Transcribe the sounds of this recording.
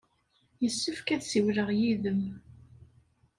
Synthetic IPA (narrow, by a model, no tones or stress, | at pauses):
jəsːəfkæðsiwləʁjiðəm